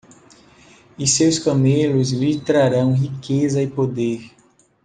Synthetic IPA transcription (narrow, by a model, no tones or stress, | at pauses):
ɪsewskɐmelʊzvit̪ɾaɾɐ̃w̃ɦikezɐɪpod̪eɾ